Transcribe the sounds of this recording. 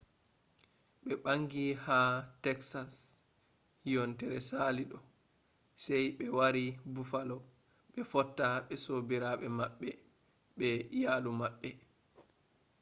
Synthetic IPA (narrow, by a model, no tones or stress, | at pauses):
ɓɛɓaŋɡihatɛksas | jɔntɛɾɛsaliɗɔ | sɛjɓɛwaɾibufalɔ | ɓɛfɔtːaɓɛsobiɾaɓɛmaɓːɛ | ɓɛjaːlumaɓːɛ